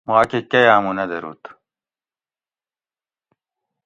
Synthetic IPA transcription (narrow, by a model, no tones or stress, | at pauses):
muakekɐjaːmunɐd̪eɾṵːt̪